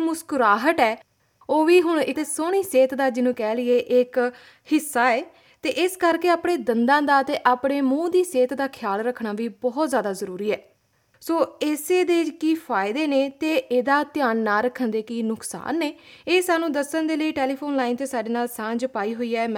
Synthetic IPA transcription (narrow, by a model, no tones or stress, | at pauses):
mʊskʊɾaːɦəʈɛː | oːʋiːɦʊɳ̃ɪt̪eːsoːɽ̃iːseːt̪d̪aːd͡ʒɪnũːkɛːlɪeːʔɪk | hɪsːaːɛː | t̪eːʔɪskəɾkeːaːpɽeːd̪ənd̪ãːd̪aːt̪eːʔaːpɽeːmũːd̪iːseːt̪d̪aːkʰjaːlɾəkʰːɽaːʋiːbɔːt̪zjaːd̪aːzəɾuːɾiːɛː | soːɪseːd̪eːd͡ʒkiːpʰaːɪd̪eːneːt̪eːʔeːd̪aːt̪ɪjaːnːaːɾəkʰənd̪eːkiːnʊksa̰ːnːeːeːsaːnũːd̪əsːənd̪eːləiːʈeːliːpʰoːnlaːiːnt̪eːsaːɖeːnaːlsãːd͡ʒpaːiːɦoːiːɛːm